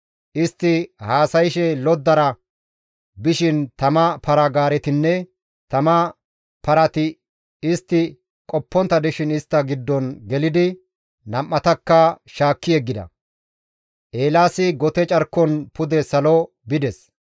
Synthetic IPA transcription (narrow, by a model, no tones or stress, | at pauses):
ʔɪst̪ːɪhaːsɐjɪʃɛlɔd̪ːɐɾɐ | bɪʃɪnt̪ɐmɐpɐɾɐɡaːɾɛt̪ɪnːɛ | t̪ɐmɐ | pɐɾɐt̪ɪ | ɪst̪ːɪ | kʼɔpːɔnt̪ːɐd̪ɛʃɪnɪst̪ːɐɡɪd̪ːɔnɡɛlɪd̪ɪ | nɐmːɐt̪ɐkːɐʃaːkːɪjɛɡːɪd̪ɐ̰ | ʔeːlaːsɪɡɔt̪ɛt͡ʃʼɐɾkːɔnpʊd̪ɛsɐlɔ | bɪd̪ɛs